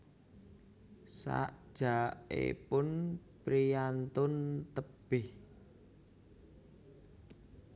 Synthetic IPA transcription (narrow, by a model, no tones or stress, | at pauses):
sa̰ʔd̥ʒ̥a̤ḛpʊnpɾijant̪ʊnt̪əb̥ɪh